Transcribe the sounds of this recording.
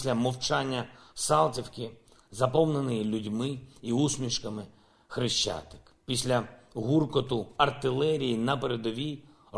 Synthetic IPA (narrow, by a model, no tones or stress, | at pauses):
lʲɐmɔwt͡ʃɑnʲːɐsɑlˠt͡sʲiwkɪ | zɐpɔwnenɪjilʲʊdʲmɪiusmʲiʃkɐmɪ | xɾɪʃt͡ʃːa̰t̪ɪ̥kpʲisʲlʲɐɦurkɔt̪ʊɐrt̪ɪlˠɛɾʲijinɐpeɾed̪ɔʋʲi